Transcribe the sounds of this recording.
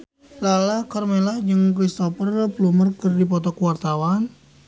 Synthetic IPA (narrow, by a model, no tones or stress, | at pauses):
lalakɔrmelad͡ʒɨŋkɾist̪ɔpərplumərkɨrdipɔt̪ɔkuwart̪awan